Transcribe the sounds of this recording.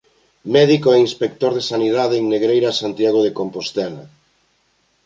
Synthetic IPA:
mɛðikoɛinspek̚t̪oɾðesaniðaðeeŋneɣɾejɾasant̪jaɣ̞oðekompost̪ɛla̰

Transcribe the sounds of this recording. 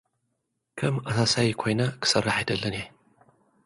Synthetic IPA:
kʰɐmɐsasajikʷʰojnɐkʰɨ̥sɐrːaħidɐɮːɐne

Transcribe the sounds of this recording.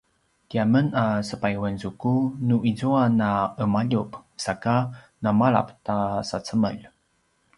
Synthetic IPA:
tiamənasəpajwənzukunuʔizuanaəmaʎupsaka | namaɭa̰ptasat͡səmə̰ʎ

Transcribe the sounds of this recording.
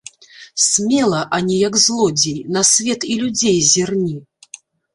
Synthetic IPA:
sʲmʲɛlˠɐʔanʲijɐɡzlˠɔd͡zʲejnɐsʲvʲɛt̪ilʲud͡zʲejzʲirnʲi

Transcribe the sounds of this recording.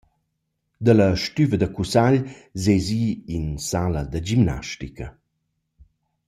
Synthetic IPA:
d̪alɐʃtyvəd̪akusaʎzeziːinsaləd̪ad͡ʒimna̰ʃtikɐ

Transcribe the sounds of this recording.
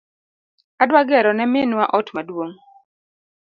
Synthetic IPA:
adwaɡɛɾɔnɛmɪnwaʔɔtmadwoŋ

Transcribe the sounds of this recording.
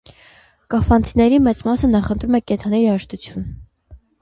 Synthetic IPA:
kɑfɑnt͡sʰinɛɾimɛt͡smɑsənɑχənt̪ɾumɛkɛnt̪ʰɑnɛɑʃt̪ut͡sʰjun

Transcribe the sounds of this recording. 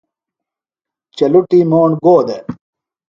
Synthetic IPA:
t͡ɕɐluʈimoːɳɡoːd̪e

